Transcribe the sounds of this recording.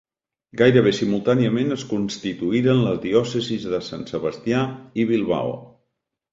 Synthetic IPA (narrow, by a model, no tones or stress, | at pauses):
ɡajɾəβesimulˠt̪aniəmenəskunst̪it̪uiɾənləzðiɔsəzizðəsa̰nsəβəst̪jaiβilˠβa̰w̰